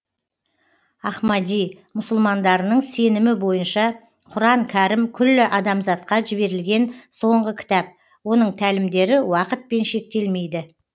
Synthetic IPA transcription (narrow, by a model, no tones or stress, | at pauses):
ɑχmɑd̪ij | mʊsʊlˠmɑnd̪ɑɾənəɴse̞nɪmɪbo̞jənʃɑ | qʰʊɾɑŋkʲʰæɾɪmkʲʰʏlːɪʔɑd̪ɑmzɑt̪̚qɑʒɪbe̞ɾɪlɡʲe̞nso̞ɴʁəkʲʰɪ̥t̪ɑp̚ | wo̞n̪əɴt̪ʰælɪmd̪e̞ɾɪwɑqət̪̚pe̞nʃe̞k̚t̪e̞lme̞jd̪ɪ